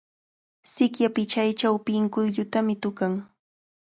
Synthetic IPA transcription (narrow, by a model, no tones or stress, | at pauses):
sɪkjapɪt͡ʃajt͡ʃawpɪŋkʊjʎʊt̪amɪt̪ʊkaŋ